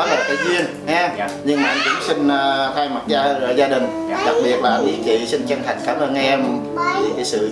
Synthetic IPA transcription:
ɔ˨˦ləː˨˩k̪a˨˦zwi˧ən | hɲɨ˧ŋmaː˨ʔŋkʊ̰˧˥˦ŋ͡msï˧ŋ̟ː˧t̪ʰaː˧jma˨˩t̚zaː˧˨˩zaː˧ɗï˨˩ŋ̟˧˩ɗa˨˩k̚ɓi˨˩ət̚laː˨˩ɓḭ˨˦t͡ɕḭ˧˨sï˧ŋ̟t͡ɕə˧ŋhʰa˨˩ŋ̟̚kaː˧˦mʔəː˧nʔɛ˧m˦ | i˨˩ka˨˦sɨ̰˧˨

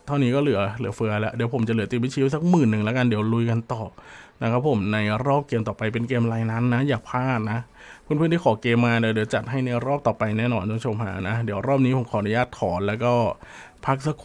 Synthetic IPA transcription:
t̪ʰa˥˩wniː˦˥kɔː˥˩lɯ˩˦ɐlɯ˩˦ɐfɯ˧ɐlɛ˦˥ʔdi˨˩˦wpʰo˩˦mt͡ɕa˨˩lɯ˩˦t̪i˨˩mi˦˥t͡ɕʰi˦˥s̬a˨˦˩k̚mɯː˨˩nːɯ˨˩ŋlɛ˦˥ka˧ndi˩˦wlu˧jka˧nt̪ɔː˨˩na˦˥kʰa˦˥pʰːo˨˩˦mna˧jɾɔː˥˩p̚keː˧mt̪ɔː˨˩pa˧jp̬e˧nkeː˧mlaː˧jna˦˥nːa˦˥jaː˨˩k̚pʰaː˥˩t̪̚na˦˥ | pʰɯ˥˨npʰɯː˥˩˨nt̪ʰi˥˩ɔː˩˦keː˧mːaː˧diː˨˩˦di˨˩˦wt͡ɕa˨˩t̪̚ɦa˥˩jna˧jɾɔː˥˩p̚t̪ɔː˨˩pa˧jnɛː˥˩nɔː˧nt͡ɕo˧ŋt͡ɕʰo˧mɦa̰ː˨˩˦na˦˥di˨˩˦wɾɔː˥˩p̚niː˦˥pʰo˩˦mkʰɔː˨˦˨nu˧˦jaː˥˩t̪̚kʰɔː˩˦nlɛː˦˥wkɔː˥˩ | pʰa˦˥k̚sa˧˥kʰ

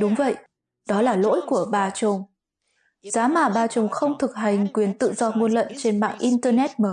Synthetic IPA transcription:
ɗʊ˨˦wŋ͡mvə̰˧˨jʔ | ɗɔ˨˦laː˨˩lo̰˧˥jku˧˩əɓaː˧˩t͡ɕʊ˨˧˩ŋ͡m | z̥aː˨˦maː˨˩ɓaː˧˩t͡ɕʊ˨˩ŋ͡mxə˧wŋ͡mt̪ʰɨ˨˩k̚ɦa˨˩jŋ̟kwi˨˩ənt̪ɨ̰˧˨zɔ˧ŋu˧ənlə̰˧˨nt͡ɕe˧nma̰ː˧˨ŋʔi˧nt̪əː˧nɛ˦˥t̚məː˨˦

